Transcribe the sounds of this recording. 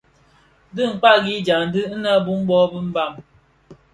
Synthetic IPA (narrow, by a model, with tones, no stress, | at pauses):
dɨ˦˨ŋ̩˨k͡pa˦ɡi˦d͡ʒa˨n̩˦dɨ˦na˦bu˦m˦bɔ˦bə˦m̩˦ba˦˨ŋ